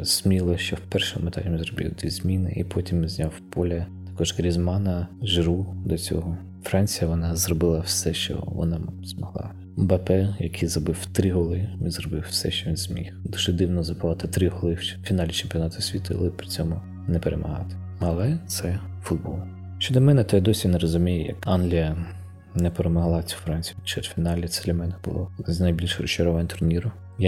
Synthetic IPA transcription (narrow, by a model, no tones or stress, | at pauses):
z̥ʲmʲilˠɔʃt͡ʃɔwpɛrʃɪmet̪ɑ̰lʲmizrɔbḭwt̪ʲizmʲinɪ̰ʔipʰɔtʲimʲinzʲnʲɑwpɔlʲɐt̪ɐ̥kɔʒɡɾʲizmɑnɐʒɾud̪ɔt͡sʲɔ̰ɦɔ | fɾɑnʲt͡sʲijɐʋɔnɑzrɔbɪlˠɐwsɛʃt͡ʃɔ̰ʋɔ̰nɑz̥mɔɦlˠɑ̰ | bɐpɛjɐkʰizɾɔbɪwt̪ɾɪɦɔlˠɪʋʲinzrɔbɪwsɛʃt͡ʃɔʋʲinzʲmʲḭxd̪uʒ̥ɛd̪ɪwnɔzɐpʊʋɑt̪ɪt̪ɾɪɦɔlˠɪfʲinɑlʲit͡ʃemʲpʲiɔnɑt̪ʊsʲʋʲit̪ʊḭlˠɪpɾʲit͡sʲɔmʊ | nɛpeɾʔḛmʔɐɦɑ̰t̪ɪ̥ | ɐlˠɛt̪sɛ | fʊd̪̚bɔlˠ | ʃt͡ʃɔd̪ɔmɛnɛt̪ɔjad̪ɔsʲineɾɔzʊmʲijjɐ̰kɑnlʲijɐ | nɛpeɾemɔɦlˠɑt͡sʲu̥wfɾɑnʲt͡sʲijt͡ʃed̪fʲinɑlʲit̪sɛd̪lʲɐmɛnɛb̥ʊ̰lˠɔznɐjbʲilʲʃrɔt͡ʃɔɾɔʋanʲt̪ʊrnʲiɾʊ | ja